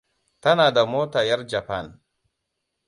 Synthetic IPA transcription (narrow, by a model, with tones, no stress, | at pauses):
ta˦na˨da˨moː˦ta˨ja˦ɾd͡ʒa˨pa˦˨n